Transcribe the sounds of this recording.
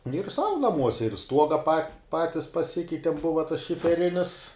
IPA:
nʊ jʊk ˈsɐʊ nɐˈmuɔsʲɛ ɪr ˈstuɔɡɐ pɐ ˈpɑːtʲɪs pɐˈsʲɪkʲɛɪtʲɪm ˈbʊʋɐ tɐs ʃʲɪfʲɛˈrʲɪnʲɪs

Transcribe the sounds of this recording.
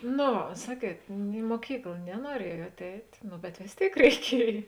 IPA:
noː ˈʋɐ ˈsɑːˌkʲiɛt ɪ muɔˈkʲiːklˠ nʲɛnuɔˈrʲiɛjuɔt ˈɛɪtʲ ˈnʊ bʲɛt ʋʲeːs ˈtʲeːɪk rʲɛɪˈkʲiɛj

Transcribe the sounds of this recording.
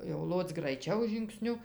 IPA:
jɛʊ ˈlˠoːt͡s ɡrɐɪˈt͡ʃʲɛʊ ʒʲɪŋkˈsʲnʲʊ

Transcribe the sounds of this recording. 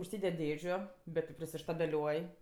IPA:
ʊʃʲˈsʲiːdʲɛtʲ ˈdʲeːʒʲʊ ˈbʲɛt tʲɪ pʲrʲɪsʲɪʃtɐbʲɛˈlʲuɔj

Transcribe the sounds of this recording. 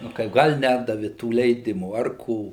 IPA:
nʊ ˈkɐɪp ˈɡɐlʲ ˈnʲæːdɐʋʲɪ tuː lʲɛɪˈdʲɪmuː ɐr ˈkoː

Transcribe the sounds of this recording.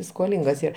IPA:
skoːˈlʲɪŋɡɐs ˈiːr

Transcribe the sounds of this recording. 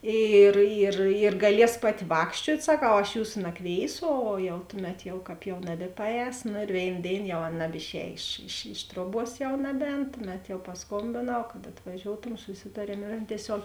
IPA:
ˈiːr iːr iːr ɡɐˈlʲiɛs ˈpɑːˌtʲɪ ˈʋɑːkʃʲt͡ʃʲuɔtʲ sɐˈkɐʊ ɐʃ ˈjuːsʊ nɐˈkʋʲeːɪsʊ ˈoː jɛʊ ˈtʊˌmʲɛt jɛʊ ˈkɑːp jɛʊ ˈnɑːbʲɪpɐˌɛːs noː ɪr ˈʋʲeːɪn ˈdʲeːɪn jɛʊ ˈɐn nɐbʲɪˈʃʲɛːj ɪʃ ɪʃ ˈɪʃ truɔˌbuɔs jɛʊ ˈnɑːbʲˌɛːn ˈtʊˌmʲɛt jɛʊ pɐsˈkoːmʲbʲeːnɐʊ kɐt ɐtʋɐˈʒʲoːʊtoːm sʊˈsʲɪtɐrʲiɛm ɪr ˈɐn tʲiɛˈsʲoːk

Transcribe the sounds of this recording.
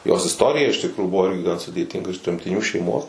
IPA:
joːs ɪsˈtoːrʲɪjɛ ɪʃ tʲɪkˈruːjuː ˈbʊʋoː ˈɪrʲɡʲɪ ɡɐn sʊdʲeːˈtʲɪŋɡɐ ɪʃ tʲrʲɛmʲtʲɪˈnʲuː ʃʲɛɪˈmoːs

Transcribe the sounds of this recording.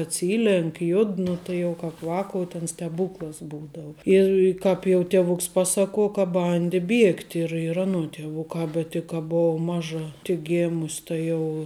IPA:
ɐtʲˈsʲiːlʲɛŋk ˈjʊt ˈnʊ tɐɪ jɛʊ ˈkɑːp ˈʋɑːkoːʊ tʲɛn sʲtʲɛˈbuːklˠɐs ˈbuːdɐʊ ˈɪr ˈkɑːp jɛʊ tʲiɛˈʋʊks ˈpɑːsɐˌkuɔ kɐ ˈbɐnʲdʲɪ ˈbʲiɛktʲɪ ɪr ɪr ˈɑːnuɔ tʲiɛˈʋʊkɑː bʲɛt tʲɪk ˈkɐ ˈboːw ˈmɑːʒɐ tʲɪk ˈɡʲeːmʊsʲ ˈtɐ jɛʊ

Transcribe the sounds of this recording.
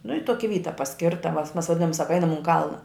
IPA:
nʊ ɪ ˈtoːkʲɪ ˈʋʲiːtɐ pɐˈsʲkʲɪrtɐ mɐs mɐs ʋɐˈdʲɪnoːm ˈsɑːkɐ ˈɐɪnɐm ʊn ˈkɐlˠnɐ

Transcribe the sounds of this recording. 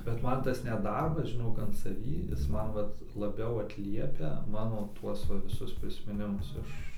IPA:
bʲɛt ˈmɐn ˈtɐs nʲɛt ˈdɐrbɐs ʒʲɪˈnoːk ɐn sɐˈʋʲiː ˈjɪs ˈmɐn ˈʋɐt lˠɐˈbʲɛʊ ɐtʲˈlʲiɛpʲɛ ˈmɑːnoː ˈtuɔs ˈʋɐ ʋʲɪˈsʊs pʲrʲɪsʲmʲɪˈnʲɪmʊs ˈɪʃ

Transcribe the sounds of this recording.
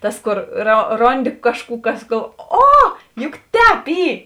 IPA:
ˈtɐs ˈkoːr roː ˈroːnʲˌdʲɪ ˈkɑːʃˌkuː ˈkɐs ɡɐlˠ ˈoː ˈjʊk ˈtʲɛːp ˈiː

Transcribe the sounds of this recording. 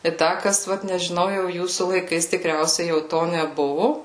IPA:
ɪ ˈdɐ ˈkɐs ˈʋɐt nʲɛʒʲɪˈnɐʊ jɛʊ ˈjuːsuː lˠɐɪˈkɐɪs tʲɪˈkrʲɛʊsʲɛɪ jɛʊ ˈtoː nʲɛˈbʊʋʊ

